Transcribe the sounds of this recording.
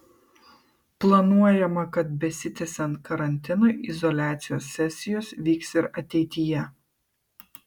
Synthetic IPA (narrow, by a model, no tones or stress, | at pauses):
plˠɐnuɔjɛmɐkɐt̪̚bʲɛsʲɪt̪ʲɛsʲɛnt̪̚kɐɾɐnʲt̪ʲɪnoːʔɪzɔlʲæːt̪sʲɪjoːsːʲɛsʲɪjoːsʋʲiːksɪɾɐt̪ʲɛɪt̪ʲɪjɛ